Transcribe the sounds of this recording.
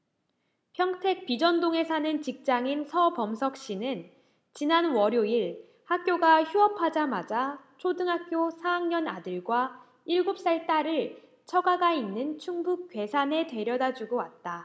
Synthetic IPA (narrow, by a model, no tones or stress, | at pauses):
pʰjʌŋtʰe̞k̚p͈id͡ʑʌndoŋe̞sʰanɯnt͡ɕik̚t͡ɕ͈aŋinsʰʌpʌmsʰʌk̚ɕ͈inɯn | t͡ɕinanwʌɾjoiɭ | hak̚k͈joɡaçjuʌpʰad͡ʑamad͡ʑat͡ɕʰodɯŋɦak̚k͈josʰaːŋɲʌnadɯɭɡwa | iɭɡop̚s͈aɭt͈aɾɯɭ | t͡ɕʰʌɡaɡainːɯnt͡ɕʰuŋbuk͈̚ɥwe̞sʰane̞twe̞ɾjʌdad͡ʑuɡowat̚t͈a